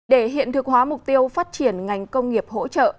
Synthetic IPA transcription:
ɗe˧˩ɦḭ˧˨ənt̪ʰɨ˨˩k̚hwaː˨˦mʊ˨˩k͡p̚t̪i˧əwfaː˦˥t̚t͡ɕi˧˩ənŋa˨˩jŋ̟kə˧wŋ͡mŋi˨˩əp̚ho̰˧˥t͡ɕə̰ː˧˨ʔ

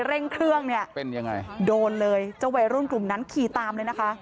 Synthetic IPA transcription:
ɾe˥˩ŋkʰɾɯ˥˩əŋni˥˩əpe˧nja˧ŋa̰˧jdoː˧nlɤː˧jt͡ɕa˧wa˨˩ɾu˥˩nklu˨˩mna˦˥nkʰiː˨˩t̪aː˧mlɤː˧jna˦˥kʰa˦˥ʔ

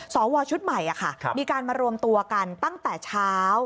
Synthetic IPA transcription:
sɔː˩˦wɔː˧t͡ɕʰu˦˥t̪̚ma˨˩jʔa˨˩kʰa̰˥˩˧miː˧kaː˧nmaː˧ɾu˧əmt̪u˧ɐka˧nt̪a˥˩ŋt̪ɛː˨˩t͡ɕʰaː˦˥w

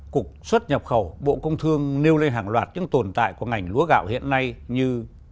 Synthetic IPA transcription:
ku˨˩ək̚swə˦˥t̚ɲə˨˩p̚xə˧˩wɓo̰˧˨kə˧wŋ͡mt̪ʰɨ˧əŋne˧wle˧nɦaː˨˩ŋlwaː˨˩t̚ɲɨ̰˧˥ŋt̪o˨˩nt̪a̰ː˧˨jku˧˩əŋa˨˩jŋ̟lu˨˦əɣa̰ː˧˨whḭ˧˨ənːa˧jɲɨ˧

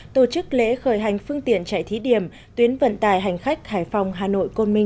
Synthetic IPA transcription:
t̪o˧˩t͡ɕɨ˦˥k̚lḛ˧˥xəː˧˩jɦa˨˩jŋ̟fɨ˧əŋt̪ḭ˧˨ənt͡ɕa̰ː˧˨jt̪ʰi˨˦ɗi˧˩əm | t̪wi˨˦ənvə̰˧˨nt̪aː˧˩jɦa˨˩jŋ̟xa˦˥k̚haː˧˩jfa˨˩wŋ͡mɦaː˨˩no̰˧˨jko˧nmï˧ŋ̟

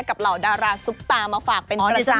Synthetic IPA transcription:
ka˨˩p̚la˨˩wdaː˧ɾaː˧su˦˥p̚t̪aː˧maː˧faː˨˩k̚pe˧ɾa˧

